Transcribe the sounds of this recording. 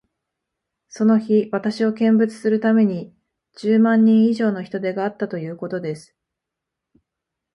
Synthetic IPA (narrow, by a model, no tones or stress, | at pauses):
so̞no̞çiβat̪aɕio̞kẽ̞mbɯ̟t͡sɨ̥sɨɾɯ̟t̪ame̞ɲ̟i | d͡ʑɨːmãɲ̟ːĩɰ̃iʑo̞ːno̞çi̥t̪o̞d̪e̞ɡaːt̪ːat̪o̞jɯ̟ːko̞t̪o̞d̪e̞sɨ̥